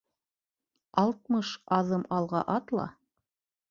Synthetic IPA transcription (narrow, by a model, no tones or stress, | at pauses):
ɑlˠt̪̚mɤʃɑðɤmɑlˠʁɑ̰ʔɑt̪lˠɑ̰